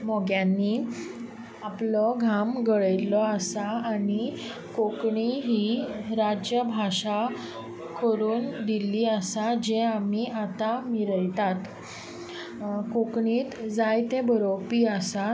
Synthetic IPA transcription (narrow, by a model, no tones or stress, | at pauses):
mɔɡjanːi | aplɔɡʱamɡəɭəjlɔəsaːni | kokɳiɦiɾad͡ʑjəbʱaʂa | kəɾuːnd̪iliːəsad͡ʑeamiat̪amiɾəjt̪at̪ | kokɳiːt̪d͡zajt̪ebəɾopiːəsa